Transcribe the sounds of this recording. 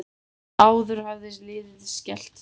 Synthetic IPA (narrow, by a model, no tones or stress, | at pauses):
aːwðʏɾ̥havðɪɾlɪːðɪðscɛl̥t̪